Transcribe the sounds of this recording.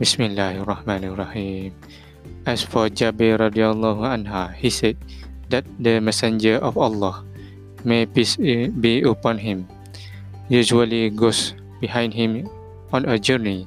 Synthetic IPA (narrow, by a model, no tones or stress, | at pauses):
bismilːaharːɑhmãnarɑhim | ɛsfɔd͡ʒabilɾadialːɔhãnɦahisɛd̚d̪ɛt̪̚dəmɛsɛ̃nd͡ʒəʔɔfalːɔh | mepisbiəpɔ̃nɦĩm | jud͡ʒualiɡos | biɦãj̃ndɦĩm | ɔ̃nəd͡ʒəni